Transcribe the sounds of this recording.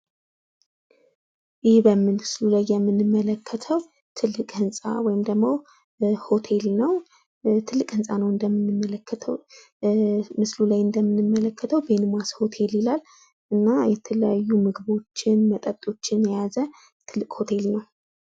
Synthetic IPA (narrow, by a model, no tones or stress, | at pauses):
jɪhbəmːɨlmɨslulajːɛmːɨnːɨmːələkʰːət̪ʰəw | t̪ʰɨlːɨkʼhɨnsʼa̰wɔjɪmd̪əɡmow | ho̞t̪ʰe̞lnəw | t̪ʰɨlːɨkʼhɨnsʼanəwɨnd̪əmːɨnːɨmːələkʰːət̪ʰə̰w | mɨslulajɨnd̪əmːɨnɨmːələkːət̪ʰəwbe̞nɨmasho̞t̪ʰe̞lilal | ʔɨnːajɛt̪ʰələjajːumɨɡɨβo̞t͡ʃːɪnmət̪ʼət̪ʼo̞t͡ʃːɪnjɛjazə | t̪ʰɨlːɨkʼho̞t̪ʰe̞lnəw